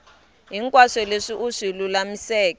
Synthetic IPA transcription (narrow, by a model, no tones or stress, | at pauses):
ɦiŋkʼwaʂɛleʂiʔuʂilulamisɛːk